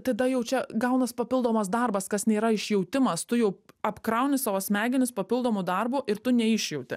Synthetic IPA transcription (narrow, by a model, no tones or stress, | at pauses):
t̪ɐd̪ɐjɛʊt͡ʃʲɛɡɐʊnɐspɐpʲɪlˠd̪oːmɐsd̪ɐrbɐskɐsnʲeːɾɐɪʃʲjɛʊt̪ʲɪmɐst̪ʊjɛʊɐpkɾɐʊnʲɪsɑːʋɐsʲmʲæːɡʲɪnʲɪspɐpʲɪlˠd̪oːmuːd̪ɐrbuʔɪɾt̪ʊnʲɛɪʃʲjɛʊt̪ʲɪ̰